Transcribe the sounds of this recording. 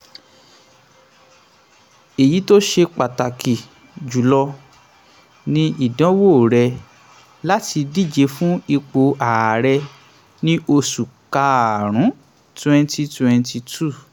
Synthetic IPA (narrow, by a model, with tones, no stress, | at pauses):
e˨ji˨˦to˦ʃe˧k͡pa˨ta˨kʰi˨ | d͡ʒu˨lɔ˧ | nĩ˦i˦˨dã˦wo˦˨ɾɛ˧ | la˦ti˧di˦˨d͡ʒe˨˧˦fũ˦i˧k͡po˧a˨ɾɛ˧ | nĩ˦ʔo˧su˨ka˧a˨ɾ̃ũ˨˦ | tɛ̃˧nti˧twɛ̃˧nti˧tu˦˨